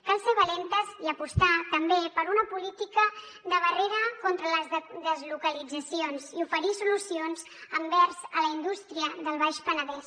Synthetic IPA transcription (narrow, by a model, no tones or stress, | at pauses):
kalˠseɾβəlent̪əziəpust̪at̪əmbepəɾunəpulit̪ikə | d̪əβ̞əreɾəkɔnt̪ɾələzðəzlukəlid͡zəsionziufəɾisulusionz | əmbɛɾzələind̪ust̪ɾiəðəlˠβajʃpənəðɛs